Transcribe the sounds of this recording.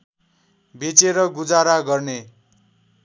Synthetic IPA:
bʱet͡seɾʌɡud͡zaɾaɡʌrne

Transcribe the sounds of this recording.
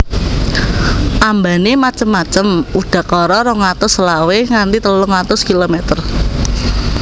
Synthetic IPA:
ʔambanemat͡ʃəmːat͡ʃəmuɖ̥ä̤kɔɾɔɾɔŋat̪ʊslaweŋant̪it̪əlʊŋat̪ʊskilomɛt̪ər

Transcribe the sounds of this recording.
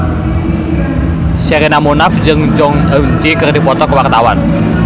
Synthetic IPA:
seɾinamonafd͡ʒɨŋd͡ʒɔŋəŋt͡ʃikərdipɔt̪ɔkəwart̪awan

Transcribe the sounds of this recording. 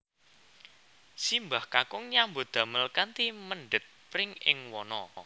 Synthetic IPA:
simbahkakʊŋɲambod̪̥a̤məlkant̪iməɳɖɪt̪̚pɾɪŋɪŋwɔnɔ

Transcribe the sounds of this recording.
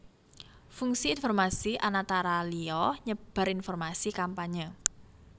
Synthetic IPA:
fuŋsiːnfɔrmasiʔanat̪aɾaliɔɲəb̥a̤ɾinfɔrmasikampaɲə

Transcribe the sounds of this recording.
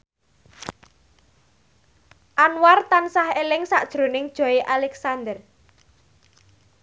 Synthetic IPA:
ʔanwart̪ansahelɪŋsaʔd̥ʒ̥ɾo̤nɪŋd̥ʒ̥ɔ̤eʔalɛksand̪ər

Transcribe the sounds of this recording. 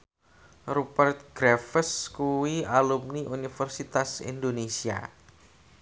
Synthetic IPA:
ɾupərt̪̚ɡ̥ɾɛfəskuwialumniʔunifɛrsit̪asḭndonesia̰

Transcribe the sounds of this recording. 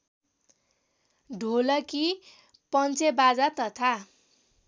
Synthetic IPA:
ɖʱolʌki | pʌnt͡sebad͡zat̪ʌt̪ʰa

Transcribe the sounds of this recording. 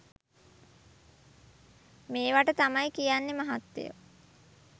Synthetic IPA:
meːʋaʈət̪amajkijanːemaɦat̪ːḛjə̰

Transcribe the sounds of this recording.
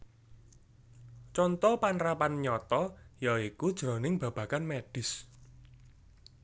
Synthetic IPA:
t͡ʃɔnt̪ɔpanɾapanɲɔt̪ɔjaikud̥ʒ̥ɾɔnɪŋb̥ä̤b̥a̤kanmeɖ̥ɪ̤s

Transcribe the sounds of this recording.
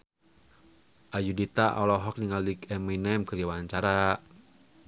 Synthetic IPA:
ʔajudit̪aʔɔlɔɦɔk̚niŋalikɛminɛmkəɾawaɲt͡ʃaɾa

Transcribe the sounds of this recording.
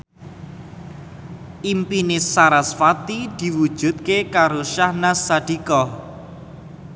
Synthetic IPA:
ʔimpinesaɾasfat̪id̪̥i̤wud̥ʒ̥ṳt̪̚kekaɾoʃahnasad̥i̤kɔ

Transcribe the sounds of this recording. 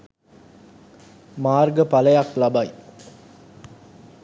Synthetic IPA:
maːrɡəpɐlɐjaklɐbɐj

